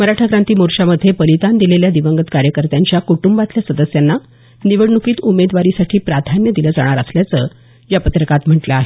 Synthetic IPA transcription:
məɾaʈʰakɾant̪iːmoɾɕaməd̪ʱjepəlit̪and̪ileljad̪iʋəŋɡət̪kaɾjəkəɾt̪jaɲt͡ɕjakuʈumbat̪ljasəd̪əsjanːa | niʋəɽɳukiːt̪umed̪ʋaɾisaʈʰiːpɾad̪ʱanjəd̪iləːd͡za̰ɽ̃aɾəsljat͡səː | japət̪ɾəkat̪m̤əʈləaɦe

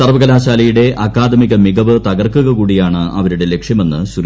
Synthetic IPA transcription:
sɐrʋɐɣɐlaːɕaːlɐjuɽe̞ʔɐkːaːd̪ʱɐmiɣɐmiɣɐʋɨt̪ɐɣɐrkuɣɐkuːɽijaːɳɨʔɐ̰ʋɐɾuɽe̞le̞kʂjɐme̞nːɨɕur

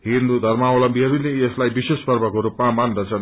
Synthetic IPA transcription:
ɦĩnd̪ud̪ʱʌrmaawlʌmbʱiɦʌɾuleeslajbisespʌrbʱʌkoɾupmamandʌt͡sʰʌn

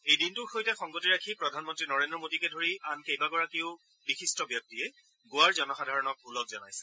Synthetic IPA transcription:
ejdintʊxojtɛxɔŋɡotiɹakʰipɹɔdʱanmɔntɹinɔɹendɹɔmodikɛdʱoɹiʔankejbaɡɔɹakiʊ | bixistɔbjɔk̚tiɛ | ɡʊwaɹzɔnɔxadʱaɹɔnɔk̚ulɔk̚zɔnajsɛ̥

